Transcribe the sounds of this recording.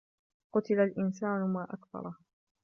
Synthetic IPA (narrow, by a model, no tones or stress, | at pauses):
qʊt̪ɪlalʔɪnsaːnʊmaːʔakθɑ̰ɾˤɑ